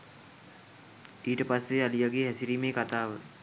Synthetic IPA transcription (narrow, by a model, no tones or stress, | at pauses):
iːʈəpasːealijaɡeɦɛsiɾiːmeːkat̪aːʋə